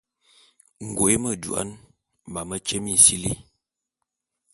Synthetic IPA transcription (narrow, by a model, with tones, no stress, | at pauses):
ŋ̩˨ɡo˨e˦mə˨dṵ˨a̰˦n | ma˨mə˦t͡ʃe˦mi˦n̩˨si˦li˦